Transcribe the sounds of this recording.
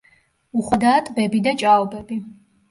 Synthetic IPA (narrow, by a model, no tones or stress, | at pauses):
uχwad̪aːt̪ʼbɛbid̪at͡ʃʼalbɛbi